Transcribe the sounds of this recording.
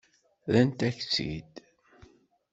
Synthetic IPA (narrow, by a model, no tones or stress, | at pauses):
ðænt̪æçt͡sːḭd̪